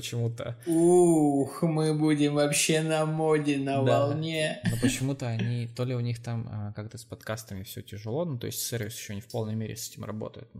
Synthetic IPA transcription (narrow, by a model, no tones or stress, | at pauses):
pət͡ɕɪmut̪əuxmɨbudʲɪmvɐpɕːe̞nɐmodʲɪnəvɐlˠnʲenopət͡ɕɪmut̪əɐnnʲit̪o̞lʲɪʊnʲixt̪aməkak̚t̪əspɐt̪kast̪əmʲɪfsʲɵtʲɪʐɨlˠo̞not̪o̞̰ɪsʲtʲsʲervʲɪsjɪ̥ɕːonʲɪfpolˠnəjmʲeɾʲɪ̰sɛtʲɪmrɐ̰bo̞̰t̪ə̰jʊ̰t̪